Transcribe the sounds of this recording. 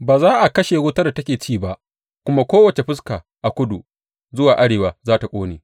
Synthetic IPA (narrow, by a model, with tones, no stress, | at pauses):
baː˨zaː˦ʔa˨kɐ˦ʃeː˨wʊ˦tɐ˦da˨tɐ˦kʲeː˨t͡ʃiː˦˨ba˦ʔ | kʷʊ˦ma˦kʷoː˦wɐ˨t͡ʃe˨ɸɪ˦skaː˨ | ʔa˨kʷʊ˦du˨ | zʊ˦waː˨ʔa˦ɽeː˨waː˨zaː˦ta˨kʷʼoː˦neː˨